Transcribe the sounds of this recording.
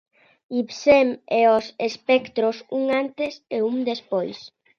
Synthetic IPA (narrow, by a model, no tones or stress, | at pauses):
ipsemɛosespɛkt̪ɾosuŋant̪eseuŋd̪espojs